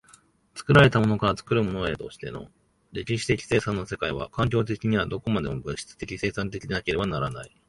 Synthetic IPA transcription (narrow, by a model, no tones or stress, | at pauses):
t͡sɨ̥kɯ̟ɾaɾe̞t̪amo̞no̞kaɾat͡sɨ̥kɯ̟ɾɯ̟mo̞no̞et̪o̞̰ɕi̥t̪e̞̰no̞̰ | ɾe̞kʲiɕi̥t̪e̞kʲi̥se̞ːsãnːo̞se̞kaiβa̰kãŋk̬ʲo̞ːt̪̬e̞kʲiɲ̟iβad̪o̞ko̞mad̪e̞mobɯ̟̃ɕi̥t͡sɨ̥t̪e̞kʲise̞ːsãnt̪̬e̞kʲid̪enake̞ɾe̞banaɾana̰i